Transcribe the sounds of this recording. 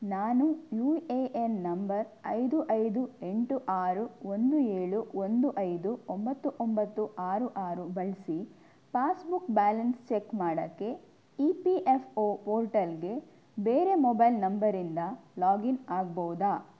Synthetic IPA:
naːnujuːeʔennɐmbɐɾɐ̰jd̪uʔɐjd̪ue̞ɳʈuʔaːɾuond̪ueːɭuond̪uʔɐjd̪uombɐt̪ːuʔombɐt̪ːuʔaːɾuʔaːɾubɐɭsi | paːsbukbaːlɐnst͡ʃekmaːɽɐkːe̞ | ipiʔepʰoːpoːɾʈɐlɡe̞ | beːɾe̞mɔbɐjlnɐmbɐɾind̪ɐlaːɡinaːɡbɐwud̪aː

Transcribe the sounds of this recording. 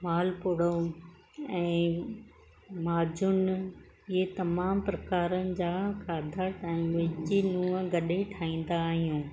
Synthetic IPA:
maːlpʊɽo | ɛ̃ː | maːd͡ʑʊn | iet̪ɐmaːmpɾɐkaːɾənɪ̆d͡ʑaːkaːd̪ʱəʈɛ̃ːʋɪd͡ʑinũːə̃ɡɐɗeʈʰaːĩːnd̪aːɦijũː

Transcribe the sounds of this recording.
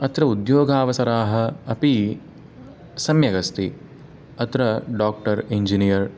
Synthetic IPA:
ɐt̪ɾɐud̪joːɡʱaːʋɐsɐɾaːɦɐ̆ɐpi | sɐmjɐɡɐst̪i | ɐt̪ɾɐɖaːk̚ʈɐɾiɲd͡ʒinijɐɾ

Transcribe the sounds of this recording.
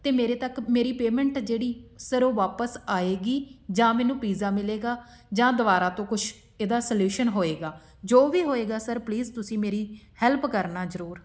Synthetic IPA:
t̪eːmeːɾeːt̪əkmeːɾiːpeːmɛ̃ɳʈd͡ʒeːɽiːsəɾoːʋaːpəsaːeːɡiːd͡ʒãːmɛːnũːpiːzaːmɪleːɡaː | d͡ʒãːd̪əʋaːɾaːt̪õːkʊʃʰ | eːd̪aːsəljuːʃənɦoːeːɡaː | d͡ʒoːʋiːɦoːeːɡaːsəɾpliːzt̪ʊsĩːmeːɾiːhɛlpkəɾnaːzəɾuːɾ

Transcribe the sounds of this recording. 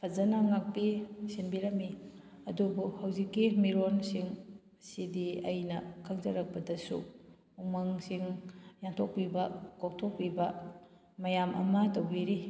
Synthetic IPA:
pʰɐzɐnaŋak̚pisinbiɾɐmi | ɐdubuhɐwzikːimiɾonsiŋ | sidiɐjnɐkʰaŋzɐɾɐk̚pɐdɐsṵ | umaŋsiŋjaŋtʰok̚pibɐkok̚tʰok̚pibɐ | mɐjamɐ̰mɐtowbiɾi

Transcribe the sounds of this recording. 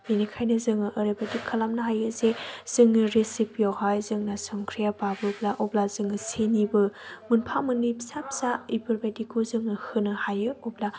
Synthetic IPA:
inikʰajnɯzɯŋɯʔːɾebadikʰːalamnɐɦajɯzez̥ɯŋɯɾesipjɔhajzɯŋnasɔŋkʰɾijapabɯblaʔɔblazɯŋɯsenibɯmunpʰamɯnipsap̚saibɯɾbadikʰːuzɯŋnɯhɯnɯhajɯɔbla

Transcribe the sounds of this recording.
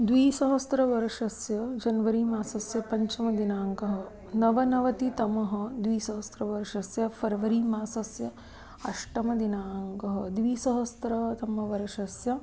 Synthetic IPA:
d̪ʋiːsɐɦɐst̪ɾɐʋɐɾɐʂɐsjɐd͡ʒɐnʋɐɾiːmaːsɐsjɐpɐɲt͡ʃɐmɐd̪inaːŋkɐɦɐ | nɐʋɐnɐʋɐt̪it̪ɐmɐɦɐ̆d̪ʋiːsɐɦɐst̪ɾɐʋɐɾɐʂɐsjɐpʰɐɾɐʋɐɾiːmaːsɐsjɐ | ɐʂʈɐmɐd̪inaːŋkɐɦɐd̪ʋiːsɐɦɐst̪ɾɐt̪ɐmɐʋɐɾɐʂɐsjɐ

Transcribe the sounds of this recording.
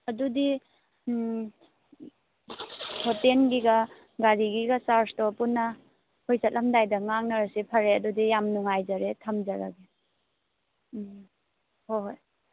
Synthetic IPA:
ɐdudi | pʰotenɡiɡɐ | ɡaɾiɡiɡɐsaɾstɔpunːɐ | hojsɐt̚lɐmdajdɐŋaŋnɐɾasipʰɐɾeɐdudijamnuŋajd͡ʒaɾetʰɐmd͡ʒaɾa̰ɡi | hooj

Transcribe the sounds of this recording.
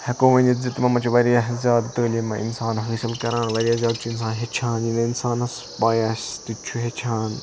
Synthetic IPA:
hɐkoːʋɐ̃nɐzit̪mɐmɐt͡ʃʰuʋɐɾijɐzʲjaːd̪t̪əːlemɐʔḭnsaːnɦɐsɐlkɐɾãːnʋɐɾijaːzʲjaːd̪̚t͡ʃʰuins̬ãːnɦet͡ʃʰaːnjinɐinsaːnɐs | paːjast̪it͡ʃʰuɦet͡ʃʰaːn

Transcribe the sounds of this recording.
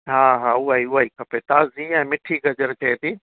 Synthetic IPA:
ɦaːɦaːʊaːiʊɦaːikʰɐpet̪aːziɛ̃ːmɪʈʰiɡɐd͡ʑəɾt͡ɕɐet̪ʰiː

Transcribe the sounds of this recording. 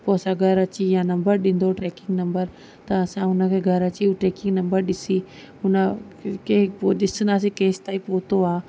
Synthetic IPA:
poɐsãɡʱɐɾɐt͡ʃijãnɐ̃mbəɾɗɪ̃nd̪oʈɾeːkɪŋɡnɐ̃mbəɾ | t̪ɐːsãʊnəkʰeɡʱɐɾɐt͡ʃiuʈɾeːkɪ̃ŋɡnɐmbəɾɗɪsi | ʊnə | keoɗɪsənaːs̬ekẽːst̪aːipoːt̪oaː

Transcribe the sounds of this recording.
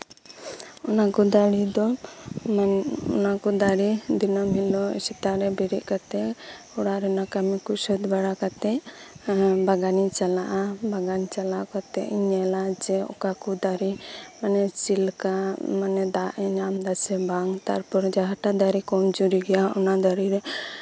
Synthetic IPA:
ɔnakɔd̪aɽid̪ɔmɔ̰nakɔd̪aɾid̪inɔmɦilɔ̰sit̪aɾɛbɛɾiʔkat̪ɛ | ɔɽaɾɛnakamikusɔt̪baɽakat̪ɛʔ | baɡanit͡ʃalaʔabaɡanit͡ʃalaʔkɔt̪ɛʔiɲɛlad͡ʒɛɔ̰kakud̪aɾimanɛt͡ʃilkamanɛd̪aʔɲamd̪asɛbaŋt̪aɾpɔɾd͡ʒaɦaʈad̪aɾikɔmd͡ʒuɾiɡɛjaɔnad̪aɾiɾɛ

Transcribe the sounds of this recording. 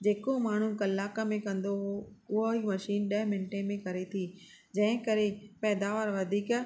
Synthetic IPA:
d͡ʑeːkomaːɳ̤ũkɐlːaːkəmẽkɐ̃nd̪oɦoʊɦoɦimɐʃiːnɗɐɦmɪ̃nʈemẽkɐɾet̪ʰiː | d͡ʑɐ̃ɦɪ̃kɐɾepɛːd̪aːʋəɾʋɐd̪ʱiːk

